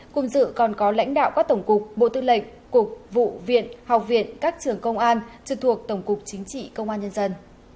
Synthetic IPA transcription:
kʊ˨˧˩ŋ͡mzɨ̰˧˨kɔ˨˩nkɔ˨˦la̰˧˥jŋ̟ɗa̰ː˧˨wkaː˦˥k̚t̪ə˧˩wŋ͡mkʊ˨˩k͡p̚ɓo̰˧˨t̪ɨ˧lə̰˧˨ŋ | ku˨˩ək̚vṵ˧˨vḭ˧˨ənha˨˩wk͡p̚vḭ˧˨ənkaː˦˥k̚t͡ɕɨ˨˩əŋkə˧wŋ͡mʔaː˧nt͡ɕɨ˧˩t̪ʰu˨˩ək̚t̪ə˧˩wŋ͡mkʊ˨˩k͡p̚t͡ɕï˨˦ŋ̟t͡ɕḭ˧˨kə˧wŋ͡mʔaː˧nɲə˧nzə˧n

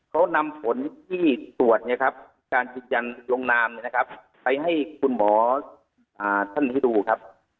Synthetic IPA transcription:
kʰa˦˥wna˧mpʰo˨˦nt̪ʰiː˥˩su˨˩ət̪̚ɲa˧˩kʰa˦˥p̚ːkaː˧njɯː˧nd͡ʑa˧nlo˧ŋnaː˧mni˧˨na˧kʰa˦˥p̚ | pa˧jɦa˥˩jkʰu˧nmɔː˩˦ | ʔaː˨˩t̪ʰa˥˩nt̪ʰi˥˩duː˧kʰa˦˥p̚

